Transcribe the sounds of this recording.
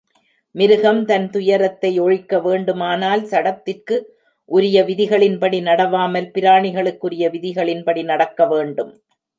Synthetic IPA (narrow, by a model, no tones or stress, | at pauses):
mɪɾɯɣɐmt̪ɐnt̪ʊjɐɾɐt̪ːɐɪɔɻɪkːɐʋeːɳɖɯmaːnaːlsɐɽɐt̪ːɪrkɯ | ʔʊɾɪjɐʋɪðɪɣɐɭɪnpɐɽinɐɽɐʋaːmɐlpɪɾaːɳɪɣɐɭɯkːʊɾɪjɐʋɪðɪɣɐɭɪnpɐɽinɐɽɐkːɐʋeːɳɖɯm